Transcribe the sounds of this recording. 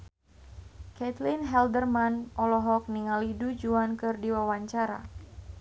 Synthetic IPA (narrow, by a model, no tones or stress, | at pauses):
kɛt̪linɦɛldərmanʔɔlɔɦɔk̚niŋalidud͡ʒuankɨrdiwawaɲt͡ʃaɾa̰